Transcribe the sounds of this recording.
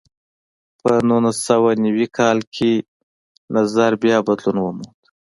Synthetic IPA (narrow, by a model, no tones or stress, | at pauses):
pənulasawanawikʰɑlkʰe | nazaɾbjɑbad̪lunwəmud̪